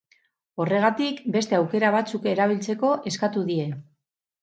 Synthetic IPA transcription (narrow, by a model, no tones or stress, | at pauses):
o̞re̞ɣ̞at̪ikbe̞st̪e̞awke̞ɾaβ̞at͡suke̞ɾaβ̞ilt͡se̞ko̞ʔe̞skat̪uðie̞